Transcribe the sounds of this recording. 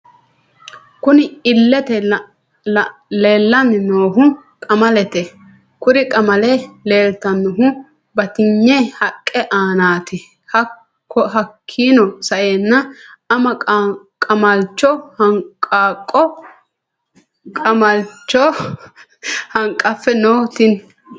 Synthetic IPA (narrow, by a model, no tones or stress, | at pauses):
kʊnɪɪlːɛt̪ɛ | leːlːɐmɪnoːɦʊ | kʼɐmɐlɛt̪ɛ | kʊɾɪkʼɐmɐlɛle̞ːlt̪ɐnːʊɦʊ | bɐt̪ɪɲːɛhɐkʼːɛʔaːnaːt̪ɪ | hɐː | ɔɦɐkʰːiːnɔsɐʔeːnːɐɐmɐ | kʼɐmɐlt͡ʃːɔhɐŋkʼːaːkʼːɔ | kʼɐmɐlt͡ʃːɔ | hɐŋkʼːɐfːɛnoːt̪ɪn